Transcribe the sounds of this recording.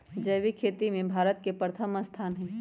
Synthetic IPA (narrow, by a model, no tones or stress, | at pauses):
d͡ʒɐjʋikʰeːt̪imẽbʱaːɾət̪kepɾət̪ʰəməst̪ʰaːnɦɛ̃ː